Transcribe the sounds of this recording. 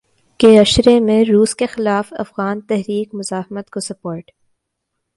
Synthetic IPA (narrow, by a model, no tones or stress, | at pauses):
keɐʃɾemẽɾuːskexɪlaːfɐ̰fɣaːnt̪ɛɦɾiːkmʊzaːhɪmət̪kosɐpoːɾʈ